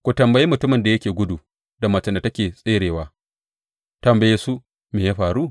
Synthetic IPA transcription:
kʷu˨tɐ˨mbɐ˨jiː˦mʊ˨tʊ˦mɪ˨nda˨jɐ˦kʲeː˨ɡʷʊ˦duː˨ | da˨mɐ˨t͡ʃɐ˦nda˨tɐ˦kʲeː˨sʼeː˦ɽeː˨waː˦ | tɐ˨mbɐ˨jeː˦su˦ | meː˨jaː˦ɸaː˨ɾu˦˨

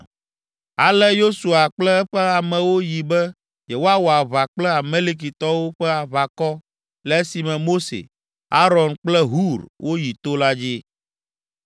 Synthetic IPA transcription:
a˨lɛ˦jo˦su˨a˨k͡plɛ˦ɛ˦ɸɛ˦a˨mɛ̃˨wo˦ji˨bɛ˦ | je˨wo˦a˦wo˨a˨βa˨k͡plɛ˦a˨me˦li˦k̬i˨t̪ɔ˦wo˦ɸɛ˦a˨βa˨kɔ˦ | lɛ˦si˨mɛ̃˨mo˦sḛ˨ | a˦ɾɔ˨nk͡plɛ˦ɦu˦ɾwʔo˦ji˨t̪o˦la˦d͡ʑi˦

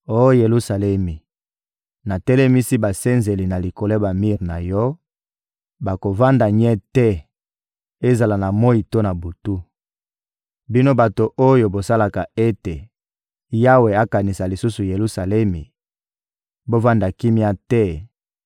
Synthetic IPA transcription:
o˦je˨lu˦sa˨lɛ˦mi˨ | na˨tɛ˦lɛ˦mi˦si˦ba˨se˦nze˨li˨na˨li˨ko˨le˦ba˨mi˦˨ʁna˨jɔ˦ | ba˨ko˨va˦nda˨ɲɛ˦tɛ˦ | e˦za˨la˨na˨mo˦i˨to˦na˨bu˨tu˦ | bi˦no˦ba˨to˨ʔo˦jo˨bo˨sa˦la˨ka˨e˦te˨ | ja˦we˨a˦ka˨ni˨sa˨li˨su˦su˨je˨lu˦sa˨lɛ˦mi˨ | bo˦va˦nda˨ki˦mi˦a˦tɛ˦

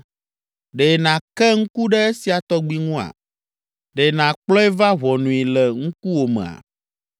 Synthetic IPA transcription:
ɖe˨nã˨kɛ˦ŋ̩̃˦ku˦ɖɛ˦e˦si˨a˨t̪ɔ˦ɡ͡bi˦ŋũ˦a̰˨ | ɖe˨nã˨k͡plɔ˦ɛ˦va˦ɦɔ˨nũ˨i˨lɛ˨ŋũ˦ku˦wo˨mḛ̃˨a̰˨

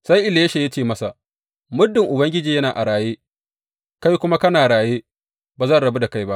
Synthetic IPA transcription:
sa˦jʔɪ˨ljʃe˨ja˦t͡ʃeː˦˨mɐ˦sa˨ | mʊ˦dːɪ˨ŋʔʊ˨bɐ˦ŋɡʲɪ˦d͡ʒiː˨jɐ˦naː˨ʔa˨ɽaː˨jeː˦ | ka˦jkʷʊ˦ma˦kɐ˦naː˨ɽaː˨jeː˦ | baː˨zɐ˦nɽɐ˨be˦da˨ka˦jba˦ʔ

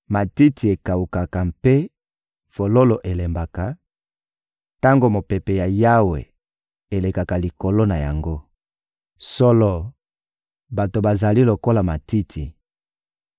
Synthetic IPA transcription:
ma˨ti˦tʰi˨e˨ka˨wu˨ka˨ka˨mpe˦ | fo˨lo˦lo˨ʔe˨le˨mba˨ka˨ | ta˦ŋɡo˦mo˨pe˨pe˨ja˨ja˦wḛ˨ | e˨le˨ka˨ka˨li˨ko˨lo˦na˨ja̰˨ŋɡo˦ | so˦lɔ˦ | ba˨to˨ba˨za˨li˦lo˨ko˦la˨ma˨ti˦tʰi˨

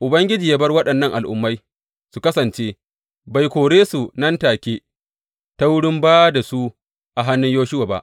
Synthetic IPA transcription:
ʔʊ˨bɐ˦ŋɡʲɪ˦d͡ʒiː˨jaː˦bɐ˦rwɐ˦ɗɐ˨nːɐ˦ŋʔa˨lʔʊ̰˨mːa˦j | su˨kɐ˦sɐ˨nt͡ʃe˦ | ba˨jkʷoː˨ɽeː˦su˨nɐ˦ntaː˨kʲeː˦ | ta˦wʊ˦ɽɪ˦mbaː˦da˨su˦ | ʔa˨ɦa˦nːʊ˦ɲjoː˦ʃɪ˦waː˨ba̰˦ʔ

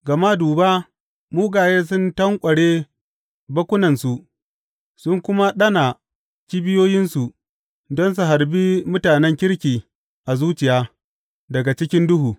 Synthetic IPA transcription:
ɡɐ˨ma˦duː˨ba˦ | muː˦ɡaː˨jeː˦s̬ʊ˦ntɐ˦ŋkʷʼɐ˨ɽe˦ | bɐ˦kʷʊ˦nɐ˨nsu˨ʔ | sʊ˦ŋkʷʊ˦ma˦ɗɐ˦na˨ | kʲi˦bɪ˦joː˦jɪ˦nsu˨ʔ | dɔ˦ns̬u˨ɦa˨ɾbi˦mʊ˦taː˨nɛ˦ŋkʲɪ˦ɽkʲiː˨ | ʔa˨zuː˦t͡ʃɪ˨jaː˦ | dɐ˨ɡa˨t͡ʃɪ˦kʲɪ˦ndʊ˦ɦuː˨

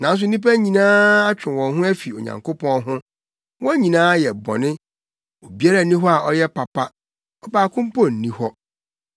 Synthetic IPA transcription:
nã˨n˦s̬ʊ˦n̩˦nĩ˦pa˦ɲĩ˨nãː˦a˦t͡ɕᶣʰɪ˨wɔ̃˨nɦʊ̃˦æ˦fi˨o˨ɲã̰˨ŋko˦pʰɔ̃˦nɦʊ̃˦ | wɔ̃˦ɲĩ˨nãː˦jɛ˨bɔ̰̃˨nɪ̃˦ | o˨bi˦a˦a˨˦nĩ˦ɦɔ˦a˨ɔ˦jɛ˦pa˨pʰa˦ | ɔ˦baː˨kʰʊ̃˦m˦pʰɔ˦˨n̩˨nĩ˦hɔ˦

